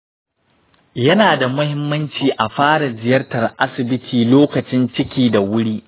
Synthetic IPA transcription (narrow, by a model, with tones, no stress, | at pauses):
jɐ˦naː˨da˨mʊ˦hɪ˦mːɐ˦nt͡ʃiː˨ʔa˨ɸaː˦ɽa˨d͡ʒɪ˨jɐ˦rtɐ˨rʔa˦sɪ˨bɪ˦tʰiː˨loː˦kɐ˨t͡ʃɪ˦nt͡ʃɪ˦kʲiː˦da˨wʊ˦ɽiː˦ʔ